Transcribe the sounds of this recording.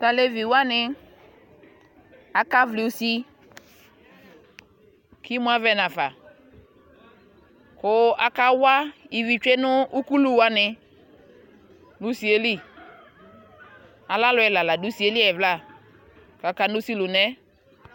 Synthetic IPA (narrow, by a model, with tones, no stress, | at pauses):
ta˨le˦vi˨wa˦nɪ˧ | a˨ka˦vli˨u˨si˦ | ki˦m˦a˦vɛ˦na˨fa˨ | kʊ˦a˦ka˦wa˦i˨vi˨t͡ʃe˦nʊ˦ʔu˦ku˦lu˦wa˦nɪ˧ | nu˦si˨e˦li˦ | a˨la˦lʊ˨˦ɛ˨la˨la˨du˨˦si˨e˦li˦ɛ˨vla˦˨ | ka˨˦ka˨nu˦si˦lu˨nɛ˦